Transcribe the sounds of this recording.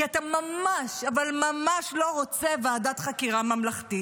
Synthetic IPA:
iatamamaʃavalmamaʃlo̞ʁot͡se̞veadat̪χakiʁamamlaχti

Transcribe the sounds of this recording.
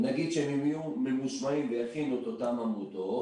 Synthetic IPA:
naɡid̪ʃeemimijumelmuʃmaimvejaχinuet̪ot̪amamut̪o

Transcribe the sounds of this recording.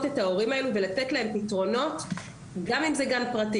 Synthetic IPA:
te̞thao̞ʁimae̞luvelate̞tlae̞mpitʁo̞no̞t | ɡamimzeɡanpʁati

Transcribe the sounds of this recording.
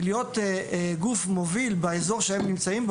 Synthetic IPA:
ljot̪ɡufmovilbeezo̞ʁʃehemnimt͡saimb

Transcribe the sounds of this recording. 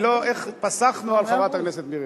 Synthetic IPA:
loʔeχpasaχnualχavat̪akneset̪miʁ

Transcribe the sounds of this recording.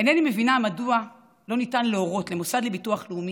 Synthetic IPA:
enenimevinamadua | lo̞nitanleoʁo̞tlemusadlebituaχleumi

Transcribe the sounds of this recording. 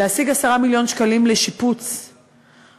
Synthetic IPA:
ehasiɡasaʁamiljo̞nʃkalimleʃiput͡s

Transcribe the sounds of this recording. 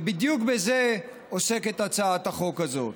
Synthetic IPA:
bid̪jukbeze | ose̞ket̪at͡saat̪aχokazo̞t

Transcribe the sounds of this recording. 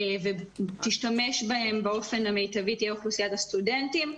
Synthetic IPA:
vet̪iʃtame̞ʃbahe̞mbeo̞fe̞namejt̪ɐvit̪jɛχlusijat̪ɐst̪udent̪im

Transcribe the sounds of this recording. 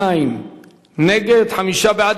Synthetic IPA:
aim | neɡet̪hɐmiʃabaːd̪

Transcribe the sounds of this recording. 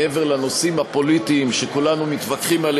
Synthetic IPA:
eveʁlano̞simhapo̞lit̪iːmʃekulanumit̪vakχimal

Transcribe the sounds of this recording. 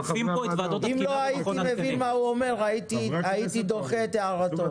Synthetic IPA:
fimovad̪otimloait̪imevinmauomeʁʁait̪iait̪id̪oχet̪eaʁat̪o

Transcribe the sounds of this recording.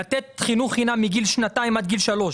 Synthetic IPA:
at̪et̪χinuχinamiɡilʃnat̪aimad̪̚ɡilʃalo̞ʃ

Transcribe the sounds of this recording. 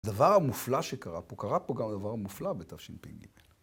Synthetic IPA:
d̪avaʁhamuflaʃekaʁapokaʁapoɡamad̪avaʁhamuflabet̪avʃimpḭnɡḭmel

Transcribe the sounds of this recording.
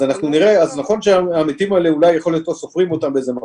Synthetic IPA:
anaχnuniʁe̞aznaχo̞nʃeaaːmit̪imaeleulajeχo̞ljot̪osofʁimo̞t̪ambeezema

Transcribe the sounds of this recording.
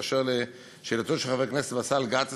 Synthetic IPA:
ʃeʁle | ʃelat̪oʃeχavekneset̪basalɡat̪

